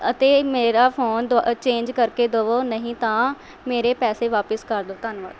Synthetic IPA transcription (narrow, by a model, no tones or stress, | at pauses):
ət̪eːmeːɾaːpʰoːnd̪t͡ʃẽːɲd͡ʒkəɾkeːd̪oːʋoːnəɦĩːt̪ãː | meːɾeːpɛːseːʋaːpəskəɾd̪oːt̪ənʋa̰ːd̪